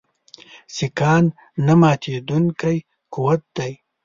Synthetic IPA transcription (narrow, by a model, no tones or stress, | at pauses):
sikɑːnː | amaːt̪ʰed̪unkaj | kuwat̪̚d̪aj